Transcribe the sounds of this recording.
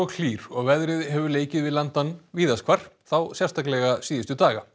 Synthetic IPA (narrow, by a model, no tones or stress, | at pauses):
ɔkʰl̥iːɾ̥ɔɣvɛðɾɪðhɛvʏɾleːjcɪðvɪðlant̪anviːðaskʰvaɾ̥θawsjɛrst̪ʰaklɛɣasiːðɪst̪ʏt̪aːɣa